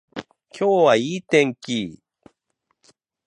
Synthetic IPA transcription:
kʰʲoːwaiːt̪ẽŋkʲi

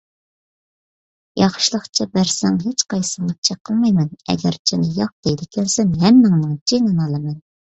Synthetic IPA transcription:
jɑχʃlˠəχt͡ʃʰɑbæɾsɛŋɦet͡ʃqɑjsɨŋɑt͡ʃʰɛqʰːəlˠmɑjmɛnɛ̰ɡʲæɾt͡ʃʰinɪjɑq̚d̪̥ɛjd̪ɪkʲʰɛnsɛnɦɛmːɪŋnɨŋt͡ʃʰenɨnɑlˠɨmɛn

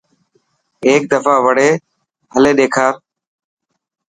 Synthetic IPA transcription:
eːk̚d̪əfaːʋəɽ̤eː | ɦəleːɗeːkʰaːɾ

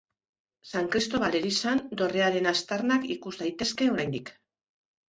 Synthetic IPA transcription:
saŋkɾist̪o̞βale̞ɾisand̪o̞re̞aɾe̞nast̪aɾnakikuzd̪ajt̪e̞ske̞o̞ɾajnd̪ik

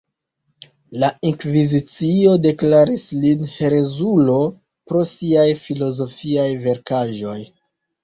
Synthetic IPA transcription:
laiŋkvizit͡sio̞de̞klaɾislinheɾe̞zulo̞ | pɾo̞siajfilo̞zo̞fiajve̞ɾkaʒo̞j

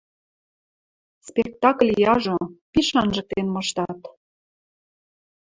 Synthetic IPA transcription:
spek̚t̪ɑklʲjɑʒopiʃɑnʒə̆k̚t̪enmɤ̆ʃt̪ɑt̪

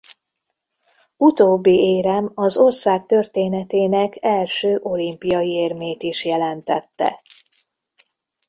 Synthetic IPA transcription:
ut̪oːbːieːɾɛmɒzo̞rsaːk̚t̪ø̞rt̪eːnɛt̪eːnɛkɛlʃøːʔo̞limpijɒjieːrmeːt̪iʃjɛlɛnt̪ɛt̪ːɛ̰

